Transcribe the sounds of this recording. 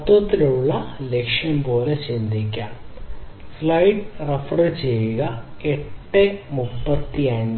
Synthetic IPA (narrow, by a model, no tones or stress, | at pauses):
ɐt̪ʋɐt̪ːilejuɭːɐlekʂjɐmpo̞ːlet͡ɕind̪ʱikʲːaːm | flɐjʈrefrɐt͡ɕejuɣɐeʈːemupːɐt̪ːiaːjinːɐ